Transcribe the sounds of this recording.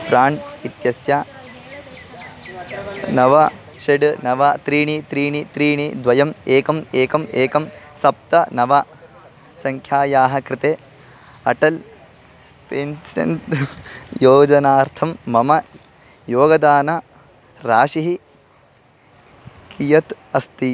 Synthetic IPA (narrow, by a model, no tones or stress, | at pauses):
pɾaːɳit̪jɐsjaː | nɐʋɐ | ʃeɖnɐʋat̪ɾiːɳit̪ɾiːɳit̪ɾiːɳid̪ʋɐjɐmeːkɐmeːkɐmeːkɐmsɐp̚t̪ɐnɐʋɐ | sɐŋkʰjaːjaːɦɐkɾɪt̪eː | ɐʈɐl | peːnsɐ̰nt̪ | joːd͡ʒɐnaːɾt̪ʰɐmːɐmɐ | joːɡɐd̪aːnɐ | ɾaːʃiɦi | kijɐt̪ | ɐst̪i